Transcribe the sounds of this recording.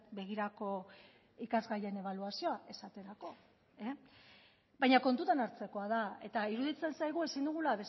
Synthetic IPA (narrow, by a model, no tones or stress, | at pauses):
be̞ɣ̞iɾako̞ | ikazɣaje̞ne̞β̞aluasioaʔe̞sat̪e̞ɾako̞ | e | bajɲako̞nt̪ut̪anaɾt͡se̞ko̞að̞ae̞t̪aiɾuðit͡se̞nsajɣ̞ue̞sind̪uɣ̞ulaβe̞s